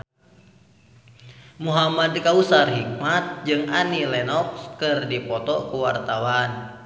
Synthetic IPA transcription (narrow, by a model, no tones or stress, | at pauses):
muɦamadkausarɦik̚mat̪̚d͡ʒɨŋanilɛnɔkskɨrdipɔt̪ɔkuwart̪awan